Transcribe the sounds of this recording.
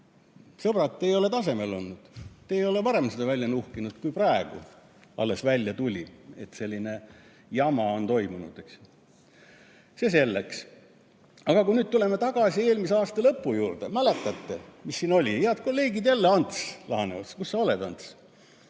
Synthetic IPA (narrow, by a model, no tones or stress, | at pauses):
sɤb̥ɾɑt̪ːejo̞le̞t̪ɑse̞me̞lo̞nːud̪̥t̪ːeːjo̞le̞pɑɾe̞msed̪ɑvælʲjɑnuhkinud̪̥kujprɑeɡ̥ṵ | ɑ̰lːe̞svælʲjɑt̪ulʲie̞t̪ːse̞lʲːine̞ | jɑmɑo̞nt̪o̞jmunṵd̪̥eks | sese̞lːḛks | ɑɡ̥ɑkuinyːd̪̚t̪ule̞met̪ɑɡ̥ɑsie̞ːlmis̬eɑːst̪ɑlɤpːujuːrd̪̥emæle̞t̪ːˑɑt̪ːemisːiːno̞lʲijeɑt̪ko̞lːe̞ːɡid̪jælːeɑnt̪slɑ̰hɑnevɑt̪skusːɑo̞led̪ɑ̰nt̪s